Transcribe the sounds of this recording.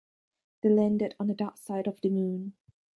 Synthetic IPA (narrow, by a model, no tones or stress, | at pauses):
ð̥elæ̃ndɪd̃n̩dədaksaɪɾɔvdəmĩn